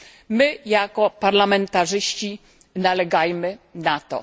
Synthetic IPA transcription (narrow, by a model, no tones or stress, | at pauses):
mɘjakɔpaɾlamɛnt̪aʐɘɕt͡ɕi | nalɛɡajmɘnat̪ɔ̰